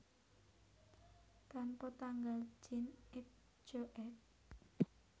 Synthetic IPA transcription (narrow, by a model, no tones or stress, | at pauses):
t̪anpɔt̪aŋɡal̥d͡ʒ̥ɪnɪt̚ | d͡ʒ̥oʔɛt̚